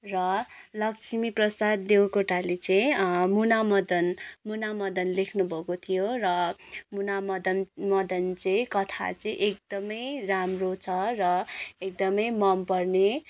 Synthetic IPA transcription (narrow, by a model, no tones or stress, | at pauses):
rʌlʌksʰimiprʌsad̪ːewkoʈalet͡sʌĩmunamʌd̪ʌnmunamʌd̪ʌnlekʰnubʱʌkot̪ʰijorʌmunamʌd̪ʌnmʌd̪ʌnt͡sʌĩkʌt̪ʰa̰t͡sʌ̃ĩʔek̚d̪̥ʌmʌjramrot͡sʰʌrʌek̚d̪ʌmʌjmʌmpʌrne